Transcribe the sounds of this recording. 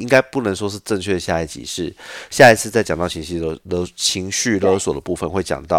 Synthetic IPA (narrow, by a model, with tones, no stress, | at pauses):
i˦˥ŋka˥ɪpu˥˩nə˧˥ŋʂwɔ˥ʂɻ̩˥˧ʈ͡ʂə˥˧ŋt͡ɕʰɥɛ˥˩d̪ə˩ɕja˥˧i˥˩t͡ɕḭ˨˩˦ʂɻ̩˥˩ɕja˥˩i˨˧t͡sʰɹ̩˥˧t͡sɪt͡ɕɑ˨˩ŋt̪ɑ˥˩ʊt͡ɕʰi˧˥ŋɕi˥˧˩lə˧˥lɤ˧˥t͡ɕʰi˧˥ŋɕy˥˩lɤ˧˥swɔ˨˩d̪ə˦pu˥˩fə˨˦nxwe˥˩ɪt͡ɕjɑ̰˨˩ŋt̪ɑ˥˩ʊ